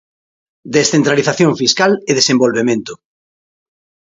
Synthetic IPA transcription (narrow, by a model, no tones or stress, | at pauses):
d̪esθent̪ɾaliθaθjõɱfiskaleðesẽmbolβemẽnt̪ʊ̥